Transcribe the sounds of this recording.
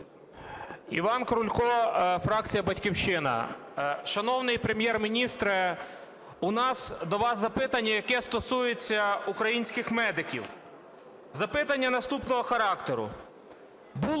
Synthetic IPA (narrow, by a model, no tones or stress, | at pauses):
ḭʋɑnkɾʊlʲkɔfɾɑk̚t͡sʲijɐbɐtʲkʲiwʃɪnɐ̰ʃɐnɔwnɪjpɾemʲjɛrmʲinʲist̪ɾɪ | ʊnɑsd̪ɔʋɑszɐpɪt̪ɐnʲːɐjɐkɛst̪ɔsujet͡sʲːɐukɾɐjinʲsʲkɪxmɛd̪ɪkʲḭw | zɐpɪt̪ɐnʲːɐnɐst̪upnɔɦɔxɐɾɑkt̪eɾʊ̰ | bu